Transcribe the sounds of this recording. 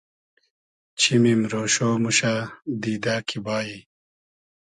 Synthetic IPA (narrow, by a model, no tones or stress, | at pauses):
t͡ɕʰimimɾoːɕoːmuɕad̪iːd̪aːkʰibaːji